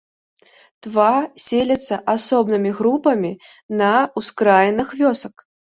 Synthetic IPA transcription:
t̪vasʲelʲɐt̪sːɐʔasɔbnɨmʲiɣɾupɐmʲi | nɐuskɾajɛnɨxvʲɔsɐk

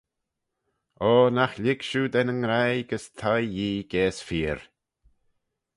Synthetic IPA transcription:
oːnaxlʲɪɡʃud̪ɛnəŋɾajɡəst̪ʰajjiːɡ̥ɛːsfiːɾ

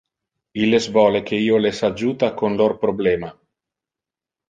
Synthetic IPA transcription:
ilːesvɔːlekʰeiːolesad͡ʒuːt̪akonlorpɾoblɛːma

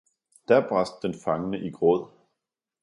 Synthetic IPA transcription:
d̥æɐb̥ʁɑsd̥̚ːenfɑ̈ŋənəʔiɡ̥ʁɔð̰ˠ

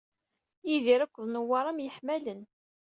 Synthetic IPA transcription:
jiðiɾækʷːəðˤnəwːɑɾˤæmjəħmælən

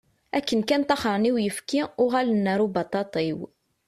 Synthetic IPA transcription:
ʔækːənkænt̪ɑχəɾˤniwjəfkiwɣælənːæɾubɑt̪ˤɑt̪ˤiw

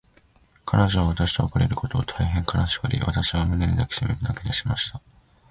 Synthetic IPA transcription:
kʰanoʑoβaβat̪aɕi̥t̪oːkaɾe̞ɾɯ̟ko̞t̪o̞ːt̪ʰaiɦẽ̞ŋkʰanaɕi̥kɯɾʲḭβa̰t̪aɕiβ̞amineɲʲid̪akʲe̥simeɾɯd̪aked̪eɕimaɕi̥t̪a

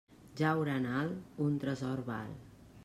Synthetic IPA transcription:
d͡ʑawɾanalunt̪ɾəsɔɾba̰l

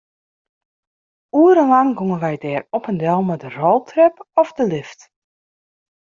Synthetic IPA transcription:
uəɾənlɑŋɡoŋənʋɛjdɛːrɔpəndɛlˠmɛdərolˠtʰrɛpɔfdəlɪft

